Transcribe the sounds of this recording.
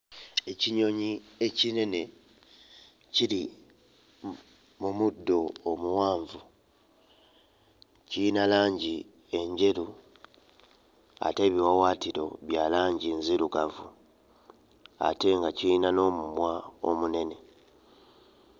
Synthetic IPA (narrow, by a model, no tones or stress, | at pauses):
e̞ciɲo̞ɲie̞cine̞ne̞ | ciɾi | mumudːo̞ːmuwaːɱvu | cijinalaːɲɟi | e̞ɲɟe̞ɾu | a̰te̞ːβiwawaːtiɾo̞̰βjalaːɲɟinziɾukavu | a̰te̞ŋɡaciinano̞ːmumwao̰mune̞ne̞